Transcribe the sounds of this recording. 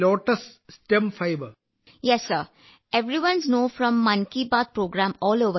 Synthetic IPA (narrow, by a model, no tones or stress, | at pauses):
lɔːʈɐssʈemfaɪbə | jɛsːəɾ | eʋɾiʋʌ̃nsnoːfɾɔ̃mːɐ̃nkibaːt̪̚pɾoːɡɾãːmɔːloːʋə